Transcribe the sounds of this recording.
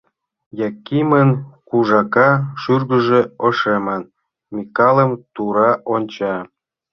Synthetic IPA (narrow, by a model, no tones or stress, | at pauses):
jɑkimənkuʒɑkɑʃyrɣə̆ʒeoʃemən | mʲikɑlˠə̆mt̪uɾɑʔonʲt͡ɕɑ